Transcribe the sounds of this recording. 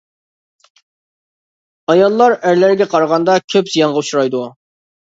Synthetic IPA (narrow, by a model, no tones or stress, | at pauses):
ɑjɑlˠːɑɾæɾlæɾɡʲɛqʰɑɾʁɑnd̪ɑkʲʰøpz̥ijɑnʁɑuʃuɾɑjd̪u